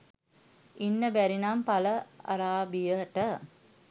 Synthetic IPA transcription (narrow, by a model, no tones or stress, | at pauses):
inːəbæɾinampaləa̰ɾaːbijəʈə